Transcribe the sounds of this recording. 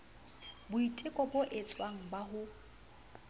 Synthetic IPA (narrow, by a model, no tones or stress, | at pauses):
bʊitʼɪkʼɔbʊʔet͡sʼwaŋ̩baɦʊ